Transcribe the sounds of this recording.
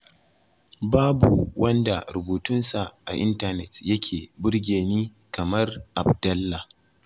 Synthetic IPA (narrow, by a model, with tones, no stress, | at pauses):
baː˦bṵ˨wʔɐ˦nda˨ɾʊ˨buː˨tʊ˦nsa˨ʔa̰˨ʔɪ˦ntɐ˦nɛ˨tjɐ˦kʲʰeː˨bʊ˦ɽɡʲeː˨niː˦ | kɐ˨mɐ˦rʔa˨bdɐ˦lːa˨